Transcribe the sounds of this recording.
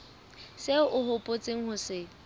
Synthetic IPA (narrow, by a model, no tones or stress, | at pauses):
seʊɦʊpʼot͡sʼeŋ̩hʊsɪ